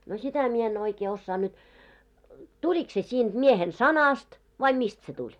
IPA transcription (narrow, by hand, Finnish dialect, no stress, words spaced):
no sitæ mie en oikeː osːɑː nyt tulik se siːnd̥ miehen sɑnɑst ʋɑi mist se tulʲ